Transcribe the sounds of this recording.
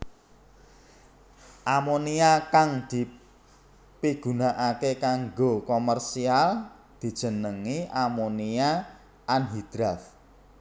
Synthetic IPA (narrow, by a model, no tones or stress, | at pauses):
ʔamoniakaŋd̪̥i̤ | piɡ̥ṳnaʔakekaŋɡokomərsial | d̪̥i̤d̥ʒ̥ə̤nəŋiamonia | ʔanɦid̪̥ɾaf